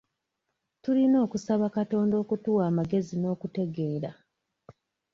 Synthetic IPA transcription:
tulino̞ːkusaβakato̞ːndo̞ːkutuwaːmaɡe̞zino̞ːkute̞ɡe̞ːɾa

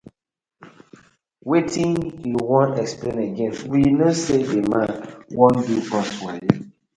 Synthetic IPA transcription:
wetĩŋhiwɔ̃nɛksplẽnəɡɛ̃nwinosedemãnwɔ̃ndukɔswa

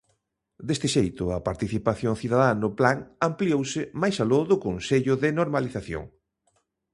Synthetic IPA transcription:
d̪est̪ɪʃejt̪ʊɐpaɾt̪iθipaθjoŋθiðaðanʊplaŋampliowsɪmajsaloðʊkonseʎʊðɪnoɾmaliθaθjo̰ŋ

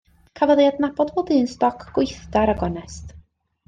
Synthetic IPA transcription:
kʰavəðˠjadnabɔdbodɨːnstɔkʰɡ̥ʊjθdaɾaɡɔnɛst

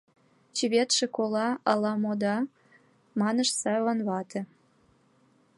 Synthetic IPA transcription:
t͡ɕiβʲet̪ʃĕkolɑɑlɑmod̪ɑ | mɑnəʃsɑβɑnβɑt̪ĕ

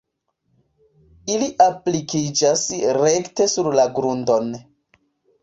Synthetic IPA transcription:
iliʔaplikid͡ʒasɾekte̞suɾlaɡɾundo̞n

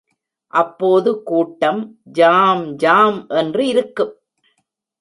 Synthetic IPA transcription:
ʔɐpːoːðɯkuːʈːɐmd͡ʒaːmd͡ʒaːmʔɛndrɯɪɾɯkːɯm

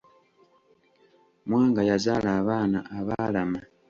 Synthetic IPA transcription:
mwaːŋɡajazalaːβaːnaʔːβalama

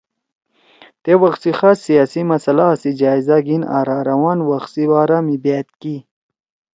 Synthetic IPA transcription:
t̪ewɐxsixasːijaːsimɐsɐlaːsid͡ʑaːizaɡina̰ːɾaɾawaːnwaxsibaːɾamibet̪̚ki

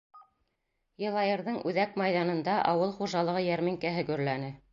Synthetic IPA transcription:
jɤ̆lˠɑjɤ̆ɾðɤɴʔʉðækmɑjðɑnɤ̆nd̪ɑʔɑwɤlˠχuʒɑlˠɤ̆ʁɤjæɾmɘ̆ŋkæɦɵ̆ɡɵ̆ɾlænɘ

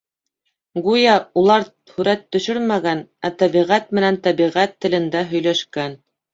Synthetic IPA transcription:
ɡujɑulˠɑɾ | hʉɾæt̪ːɵ̆ʃɵɾmæɡænæt̪æβiʁæt̪̚mɘ̆nænt̪æβiʁæt̪ːɘ̆lɘ̆nd̪æɦɵ̆jlæʃkæn

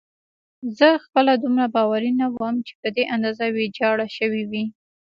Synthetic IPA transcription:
zəxpəlad̪umɾabɑwaɾinawəmt͡ʃe̥pəd̪eʔand̪ɑzawed͡ʒɑɽaʃəwiwi

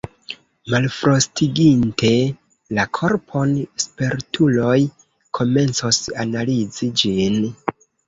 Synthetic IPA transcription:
malfɾo̞stiɡintʰe̞ | lakʰo̞ɾpʰo̞nspeɾtʰulo̞j | kʰo̞me̞nt͡sosanalid͡zid͡ʒin

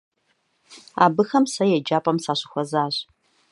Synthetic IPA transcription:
a̰ːbɨxɐmsɐjɛd͡ʒaːpʼɐmsaːɕɪxʷɐzaːɕ

